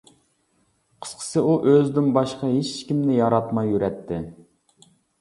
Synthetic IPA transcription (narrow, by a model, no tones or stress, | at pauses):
qʰə̥sqʰə̥sɨʔuʔøzd̪ynbɑʃqɑɦet͡ʃːkʲimnɪjɑɾɑt̪mɑjːyɾɛt̪ʰːɪ